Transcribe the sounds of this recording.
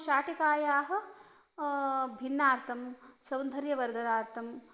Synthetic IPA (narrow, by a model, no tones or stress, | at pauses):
ʃaːʈikaːjaːɦɐ̆ | bʱinːaːɾt̪ʰɐmsɐwnd̪ʱɐɾjɐʋɐɾd̪ʱɐɾaːɾt̪ʰɐm